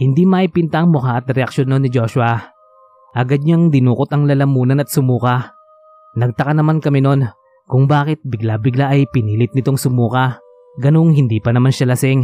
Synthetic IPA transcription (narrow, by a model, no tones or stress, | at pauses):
hɪnd̪imɐʔipɪnt̪aŋmʊkaʔɐt̪̚ɾɛɐkʃonːonːɪd͡ʒo̞ːʃʊɐ | ʔɐɡad̪̚ɲaŋd̪ɪnuːkot̪ɐŋlɐlɐmuːnɐnɐt̪̚sʊmuːkɐ | nɐɡ̚t̪ɐkanɐmankɐmɛno̞n | kʊŋbaːkɪt̪̚bɪɡlabɪɡlaʔɐjpɪniːlɪt̪̚nɪt̪o̞ŋsʊmuːkɐ | ɡɐno̞ŋhɪnd̪iːpɐnɐmanʃalɐsɪŋ